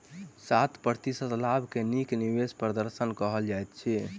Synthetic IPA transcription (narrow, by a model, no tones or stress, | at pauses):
sat̪ʰpɾəɾt̪isət̪labʱkenikniʋespɾəd̪əɾsənkəɦəld͡ʒajt̪̚t͡ʃʰi